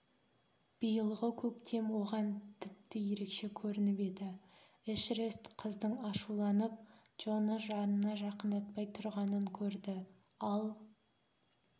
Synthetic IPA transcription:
b̥əjəlˠʁəkʲʰɵkt̪ʰe̞mwo̞ʁɑnt̪ʰɪp̚t̪ɪje̞ɾe̞kʃe̞kʲʰɵɾɪnɪpe̞d̪ɪ | ɪʃrest̪qʰəzd̪əɴɑʃulˠɑnəp̚ | ʒ̥o̞nəʒɑnənɑʒɑqənd̪ɑt̪̚pɑjt̪ʰʊɾʁɑnəŋkʲʰɵɾd̪ɪ | ɑlˠ

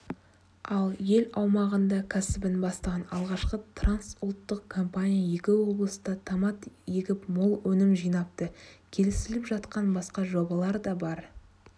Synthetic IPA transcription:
ɑlˠje̞lɑwmɑʁənd̪ɑkʲʰæsɪbɪnbɑst̪ɑʁɑnɑlˠʁɑʃqət̪ʰransʊlˠt̪ːəq̚kʰo̞mpanʲijaje̞kʲɪwo̞blˠəsəd̪ɑt̪ʰɑmɑt̪jeɡʲɪpmolˠwɵnɪmʒijnɑp̚t̪əkʲʰe̞lɪsɪlɪpʒɑt̪qɑnbɑsqɑʒo̞bɑlˠɑɾd̪ɑbɑɾ

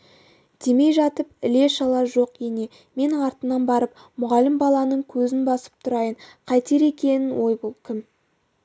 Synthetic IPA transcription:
d̪̥e̞me̞jʒɑt̪əp̚ɪle̞ʃɑlˠɑʒo̞qene̞ | me̞nɪɴɑɾt̪ənɑnbɑɾəp | mʊʁɑlɪmbɑlˠɑnəɴkʲʰɵzɪnbɑsə̥p̚t̪ʰʊɾɑjəɴqʰɑjt̪e̞ɾe̞kʲe̞nɪnwʔo̞jbolˠkʲʰɪm

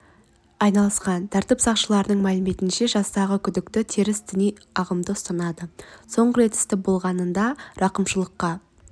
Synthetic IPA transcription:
ɑjnɑlˠəsqɑnt̪ʰæɾt̪ɪpsɑqʃəlˠɑɾənəɴmælɪme̞t̪ɪnʃe̞ʒɑst̪ɑʁəkʲʰʏd̪ɪkt̪ɪt̪ʰiɾɪsd̪ɪnij | ɑʁəmd̪əʊst̪ɑnɑd̪əso̞ɴʁəɾe̞t̪ɪ̥st̪ɪp̚bo̞lˠʁɑnənd̪ɑɾɑqəmʃəlˠəqːɑ

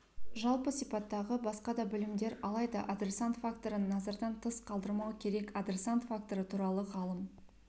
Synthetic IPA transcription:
ʒɑlˠpəsijpɑt̪ːɑʁəbɑsqɑd̪ɑbʏlɪmd̪e̞ɾɑlˠɑjd̪ɑʔad̪ɾe̞sant̪fakt̪o̞ɾənːɑzɑɾd̪ɑnt̪ʰəsqʰɑlˠd̪əɾmɑwəkʲʰe̞ɾe̞kad̪ɾe̞sant̪fak̚t̪o̞ɾət̪ʰuɾɑlˠəʁɑlˠəm

